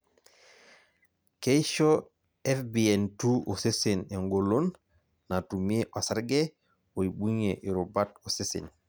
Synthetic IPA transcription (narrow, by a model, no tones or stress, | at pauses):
keʃo | ɛfbientuosesineŋɡolonː | atumiʔɔsaɾɡe | woiɓuɲeʔiɾubatosisḭn